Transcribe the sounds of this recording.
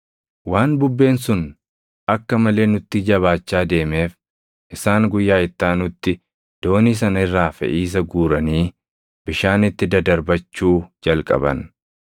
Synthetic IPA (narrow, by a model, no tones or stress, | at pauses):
waːnbʊbːe̞ːnsʊn | ɐkːɐmɐle̞ːnʊt̪ːɪd͡ʒɐβaːt͡ʃːaːd̪e̞ːme̞ːf | ʔɪsaːŋɡʊjːaːɪt̪ːaːnʊt̪ːɪ | d̪̥o̞ːniːs̬ɐnɐɪrːaːfɛ̰ʔiːs̬ɐɡuːɾɐniː | b̥ɪʃaːnɪt̪ːɪd̪ɐd̪ɐɾbɐt͡ʃːuːd͡ʒɐlkʼɐ̰bɐ̰n